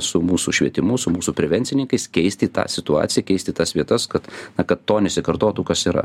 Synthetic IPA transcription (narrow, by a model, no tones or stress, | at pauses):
sʊmuːsuʃʲʋʲiɛt̪ʲɪmʊsʊmuːsupʲɾʲɛʋʲɛnʲsʲɪnʲɪŋkɐɪskʲɛɪsʲt̪ʲit̪ɑ̰ːsʲɪt̪ʊɑ̰ːtsʲɪjɛkʲɛɪsʲt̪ʲɪt̪ɐsʋʲiɛt̪ɐskɐt̪nɐkɐt̪t̪oːnʲɛsʲɪkɐrt̪oːt̪uːkɐsiːɾɐ̰